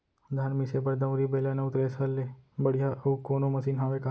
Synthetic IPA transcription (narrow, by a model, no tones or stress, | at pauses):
d̪ʱaːnmisebəɾd̪ə̃ʋɾibelanɐut̪ɾesəlːebəɽ̤ijaʔəukonoməsiːnɦaʋeka